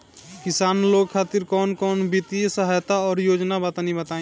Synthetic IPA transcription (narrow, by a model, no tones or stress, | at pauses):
kɪsaːnloɡkʰaːt̪ɪɾkɔːnkɔːnbʱit̪ijsəɦajt̪aɔːɾjoːd͡ʒnabat̪anibət̪aĩ